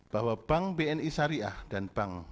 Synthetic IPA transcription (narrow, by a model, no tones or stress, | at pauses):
b̥aɦwab̥aŋbeɛnisaɾiʔahd̥anb̥aŋ